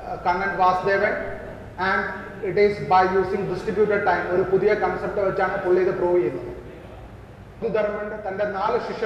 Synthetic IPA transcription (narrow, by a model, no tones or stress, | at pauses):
kɐŋːɐnʋaːsd̪eːʋeɳ | æ̃ɳɖ | iʈizbɐjjuːsĩŋɡɖisʈɾibjuːʈeɖ̚ʈɐjmoɾupuðijɐkɐnsep̚ʈʋet͡ʃt͡ɕːaːɳɐpuɭːiɐd̪ɨpɾoːʋiinːɐðɨ | d̪ud̪ɐɾmɐɳɖɨt̪ɐnɖenaːlɨʃiʂɐ